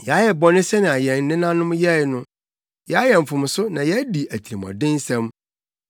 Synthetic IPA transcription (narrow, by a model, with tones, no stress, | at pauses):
jɛ˨a˦jɛ˨bɔ˦nɪ̃˦sɛ˦nɪ̃˨a˨jɛ̃˨n˨nɪ̃˦nã˦nʊ̃˦mjɛ˦˨˦nʊ̃˦ | jɛ˨a˦jɛ˨m̩˨fʊ̃˨m˨sʊ˦nã˨jɛ˦di˨æ˨t̪ʰi˨ɾi˨mɔ̰˨dɪ̃˦n˦sɛ̃˦m